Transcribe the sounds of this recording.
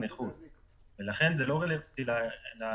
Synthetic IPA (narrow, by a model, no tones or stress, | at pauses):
neχul | velaχe̞nzelo̞ʁelevt̪ilala